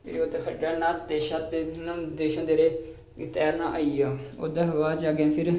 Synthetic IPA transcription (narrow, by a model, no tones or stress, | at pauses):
pʰɪɾoːt̪ekʰəɖaːnãːt̪eːʃaːt̪eːnəmd̪eːʃə̃ːd̪eːɾeː | ɡɪt̪ɛːɾnãːʔaːijaːoːd̪əɦʋaːd͡ʒaːɡẽːpʰɪɾ